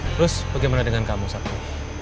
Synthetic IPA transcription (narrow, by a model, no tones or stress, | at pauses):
t̪əɾʊsb̥aɡajmanadəŋankamusak̚t̪u